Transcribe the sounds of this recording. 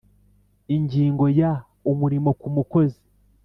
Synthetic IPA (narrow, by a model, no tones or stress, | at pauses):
iɲɟiːŋɡo̞ja | umuɾimo̞kumuko̞ze̥